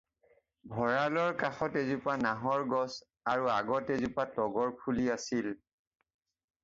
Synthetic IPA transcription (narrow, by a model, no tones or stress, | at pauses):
bʱɔɹalɔɹkaxɔtezupanaɦɔɹɡɔs | aɹuaɡɔtezupatɔɡɔɹpʰuliasil